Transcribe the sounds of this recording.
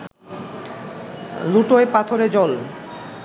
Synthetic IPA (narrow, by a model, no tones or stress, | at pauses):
luʈoepat̪ʰoɾed͡ʑɔl